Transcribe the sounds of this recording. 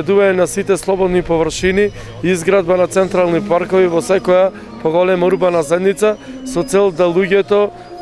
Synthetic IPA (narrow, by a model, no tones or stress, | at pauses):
ɛd̪uvaɲɛnasit̪ɛslˠɔbɔd̪nipɔvɾʃini | izɡɾad̪̚banat̪sɛnt̪ɾalˠnipaɾkɔvivɔsɛkɔja | pɔɡɔlɛmauɾbanazɛd̪nit̪sasɔt̪sɛlˠd̪alˠuɟɛt̪ɔ